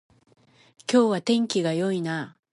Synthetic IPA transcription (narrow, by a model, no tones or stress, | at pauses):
kʲo̞ːβat̪ẽ̞ŋkʲiɡajo̞ina